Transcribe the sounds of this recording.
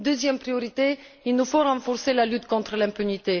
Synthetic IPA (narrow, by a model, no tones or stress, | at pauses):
d̪øzjɛmpχijɔʁit̪e | ilnufoʁɑ̃fɔʁselalyt̪kɔ̃t̪χəlɛ̃pynit̪e